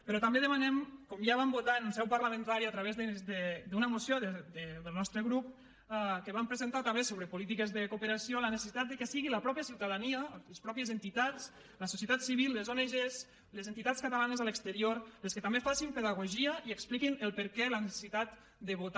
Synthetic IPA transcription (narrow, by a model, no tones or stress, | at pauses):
pəɾɔt̪ambeðəmanɛmkɔmjaβambot̪aenunsɛwpəɾləmə̃nt̪aɾiat̪ɾaβ̞ezðəd̪əd̪unəmusjoðed̪əðəlnɔst̪ɾəɣɾup | kəβampɾəzent̪at̪ambesoβ̞ɾəpulit̪̬ikezðəkupəɾasiolənese̥sit̪at̪d̪əkəsiɣiləpɾɔpjəsiwt̪aðaniələspɾɔpjəzent̪it̪at͡s | ləsusjiət̪at̪siβilˠːəzoneʒez | lezent̪it̪at͡skat̪alanəzaləkst̪əɾioɾəskət̪ambefasimpeðəɣ̞uʒiəiəksplikinəlˠpəɾkɛlənese̥sit̪at̪ | d̪əβut̪